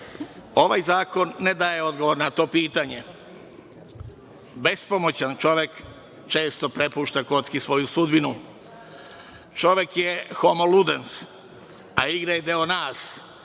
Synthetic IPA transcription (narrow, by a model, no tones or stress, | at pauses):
o̞ʋajzaːko̞nːed̪aːje̞o̞d̪ɡo̞ʋo̞ɾnat̪o̞ːpiːt̪aɲe̞ | be̞spo̞mot͡ɕant͡ʃo̞ʋjek | t͡ʃe̞ːst̪o̞pɾe̞puːʃt̪ako̞t̪skisʋo̞jusud̪binu | t͡ʃo̞ʋjekjexo̞molud̪ens | aiɡɾajed̪eonaːs